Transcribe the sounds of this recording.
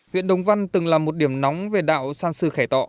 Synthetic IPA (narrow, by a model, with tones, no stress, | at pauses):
hwḭ˧˨ənɗə˨˦wŋ͡mva˧nt̪ɨ˨˩ŋlaː˨˩mo˨˩t̚ɗi˧˩əmnɔ˨˦wŋ͡mve˨˩ɗa̰ː˧˨wsaː˧nsɨ˧xaː˧˩jt̪ɔ̰˧˨